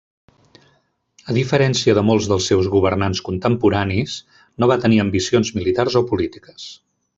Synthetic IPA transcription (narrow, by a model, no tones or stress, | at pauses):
əðifəɾɛnsiəðəmolˠzðəlˠsːɛwzɣuβəɾnanskunt̪əmpuɾanis | noβat̪əniəmbisionzmilit̪arzɔpulit̪i̥kə̥s